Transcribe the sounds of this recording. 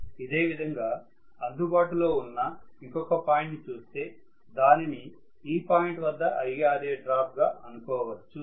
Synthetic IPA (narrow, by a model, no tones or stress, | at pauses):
id̪e̞ːʋid̪ʱɐŋɡaː | ɐnd̪ubaːʈulo̞ːunːɐiŋkɔkɐpaːjiɳʈnit͡ʃuːst̪e̞ː | d̪aːnini | iːpaːjɳʈʋɐd̪ːɐʔɐjɡaːɾeːɖɾaːp̚ʰɡaːʔɐnukɔːʋɐt͡ʃːu